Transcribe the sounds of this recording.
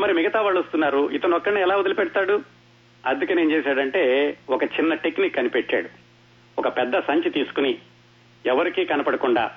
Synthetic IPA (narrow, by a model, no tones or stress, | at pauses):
mɐɾimiɡɐt̪aːʋaːɭːost̪unːaːɾuit̪ɐnɔkːɐɽniːɛlaːud̪ɐlipɛɽt̪aːɽu | ɐd̪ukɐneːnt͡ʃeːsaːɽɐɳʈe̞ːɔkɐt͡ʃinːɐʈekːnikɐnipeʈːa̰ːɽu | ɔkɐpɛd̪ːɐsɐɲt͡ʃit̪iːsu̥kuni | ɛʋɐɾikiːkɐnɐpɐɽɐkuɳɖa̰ː